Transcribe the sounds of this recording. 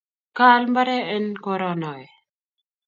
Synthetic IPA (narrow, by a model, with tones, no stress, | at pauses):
ka˦lmba˦ɾe˦e˦nko˦ɾɔ˦nɔ˨e˨